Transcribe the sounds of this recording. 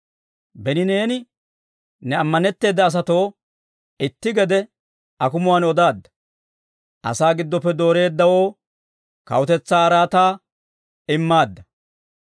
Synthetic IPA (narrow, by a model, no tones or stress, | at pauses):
bɛnɪne̞ːnɪ | nɛɐmːɐnɛt̪ːe̞ːd̪ːɐːs̬ɐt̪o̞ː | ɪt̪ːɪɡɛd̪ɛ | ɐkʊmʊwanɔd̪aːd̪ːɐ̥ | ʔɐ̰saːɡɪd̪ːɔpːɛd̪o̞ːɾe̞ːd̪ːɐwo̞ː | kɐ̰wʊt̪ɛt͡sːaːɐɾaːt̪aː | ɪmːaːd̪ːɐ